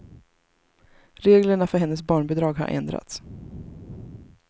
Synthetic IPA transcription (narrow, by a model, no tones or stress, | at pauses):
ɾeːɡləɳafœɾɦɛnːəsbɑːɳbɛd̪ɾɑːɡɦa̰ɾʔɛ̰nd̪ɾa̰t̪s